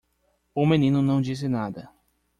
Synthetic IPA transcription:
ʊmenĩnʊnɐ̃w̃d͡ʒis̬ɪnad̪ɐ

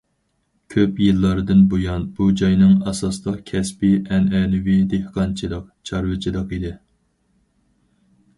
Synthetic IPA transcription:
kʲʰøpjilˠːɑɾɨd̪ɨnbojɑnb̥ud͡ʒɑjnɨŋɑsɑslˠəqkʲʰɛspiʔɛnɛnɪwid̪ehqɑnt͡ʃʰilˠəq̚t͡ʃʰɑɾwɨt͡ʃʰid̪ˠəqid̪ɪ

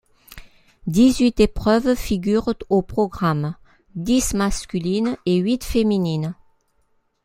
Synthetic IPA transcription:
d̪izɥit̪epχœvfiɡʲyʁopχɔɡʁam | d̪ismaskʲylineɥit̪feminin

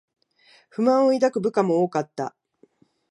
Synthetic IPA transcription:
ɸɯ̟mãɰ̃oid̪akɯ̟bɯ̟kamo̞oːkat̪ːa̰

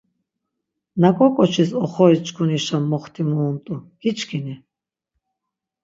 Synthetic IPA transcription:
nakʼɔkʼɔt͡ʃʰisɔχɔist͡ʃʰkʰuniʃamːɔχt̪ʰimuːnt̪ʼu | hit͡ʃʰkʰini

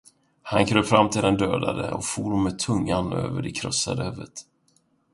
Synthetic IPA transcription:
hankʰɾøːɾfɾamːt̪ʰɪld̪ɛnd̪øːd̪ad̪əɔkfuːɖɔmmɛt̪ʰɵŋːanøːvəɖɛkʰɾɔsːa̰d̪əhœvːət̪

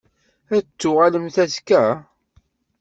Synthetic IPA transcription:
æt͡sːʊʁaləmθæzkæ

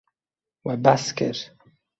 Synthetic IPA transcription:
wabaskɛ̰ɾ

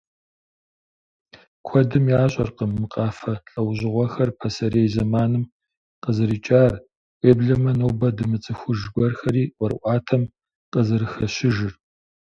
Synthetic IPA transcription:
kʷʰɔdɨmjaːɕʼɐ̰rqəmːɨqʼɑːfɐɬʼɐwʑɪʁʷɔxɐrpʰɐsɐɾeːjzɐmaːnɨm | qəzɨɾiːt͡ʃʼaːr | ʔeːbɮɐmɐnowbɐdɨmɨt͡sʼɨxʷʊʒɡʷɔrxɐɾiːwʷɔrɨʔʷɑːtʰɐm | qəzɨɾɨxɐɕɪʒɪr

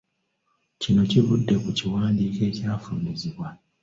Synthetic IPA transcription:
cino̞civudːe̞kuciwaːndiːke̞ːcaːfuːniziβwa

